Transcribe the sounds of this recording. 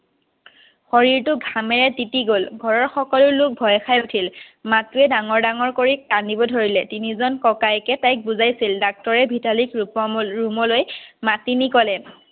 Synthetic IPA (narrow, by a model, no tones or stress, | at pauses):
xɔɹiɹtʊɡʱamɛɹɛtitiɡolɡʱɔɹɔɹxɔkɔlʊɹlʊk̚bʱɔjxajutʰilmatuɛdaŋɔɹdaŋɔɹkoɹik̚ːandibɔdʱoɹilɛtinizɔnkɔkajkɛtajk̚buzajsildak̚tɔɹɛbʱitalikɹupɔɹumɔlojmatinikɔlɛ